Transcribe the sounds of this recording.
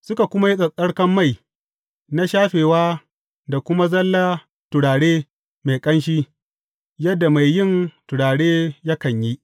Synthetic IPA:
sʊ˦ka˨kʷʊ˦ma˦ji˦ɗʼɐ˨kʼɐ˦ɽkɐ˦mːa˦˨j | na˦ʃaː˦ɸeː˨waː˦ | da˨kʷʊ˦ma˦zɐ˦lːa˦ | tʊ˨ɽaː˨ɽeː˦ | me˨kʼɐ˦nʃ̬iː˦ | jɐ˦dːa˨ma˨jːɪ˦˨ntʊ˨ɽaː˨ɽeː˦jɐ˦kɐ˨ɲji˦ʔ

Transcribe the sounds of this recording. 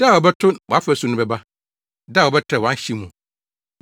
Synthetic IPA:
d̥a˦˨wɔ˨bɛ˦tʰʊ̃˦nwɔ˨a˦fæ˨sũ˨˦nʊ̃˦bɛ˨ba˦ | da˦˨wɔ˨bɛ˦tʰɛ˨wɔ̃˨˦ɕi˦mũ˨

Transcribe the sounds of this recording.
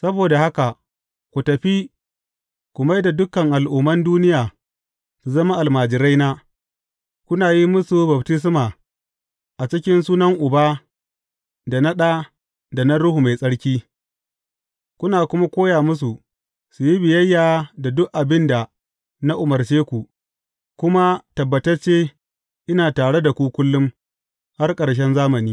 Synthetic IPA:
sɐ˦boː˨da˨ha˦ka˨ | kʷu˨tɐ˨ɸi˦ | kʷʊ˨ma˦jda˨dʊ˦kɐ˨ŋʔa˨lʔʊ˨mːɐ˦nduː˦nɪ˦jaː˨ | su˨zɐ˦ma˦ʔa˨lmaː˨d͡ʒɪ˨ɾa˦jnaː˦ | kʷʊ˦naː˨ji˦mʊ˦su˨bɐ˨btɪ˦s̬maː˨ | ʔa˨t͡ʃɪ˦k̬ʲɪ˦nsuː˦nɐ˦ŋʔʊ˨baː˦ | da˨na˦ɗaː˦ | da˨na˦ɾʊ˦hu˨ma˨jsʼɐ˦ɽkʲiː˦ | kʷʊ˦naː˨kʷʊ˦ma˦kʷoː˦jaː˨mʊ˦s̬u˨ | su˨ji˦bɪ˨jɐ˦jːaː˨da˨dʊ˦kʔʔa˨bɪ˦nda˨ | na˦ʔʊ˨mɐ˨rt͡ʃeː˦kʷu˨ | kʷʊ˦ma˦tɐ˨bːɐ˨tɐ˦rt͡ʃeː˦ | ʔɪ˦naː˨taː˨ɽe˦da˨kʷu˦kʷʊ˦lːʊ˦m | ha˦rkʼɐ˨ɽʃ̬ɛ˦nzaː˦mɐ˨niː˦

